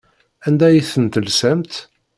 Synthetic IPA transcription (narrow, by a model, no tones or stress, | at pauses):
ænd̪æjiθənt̪əlsæmt̪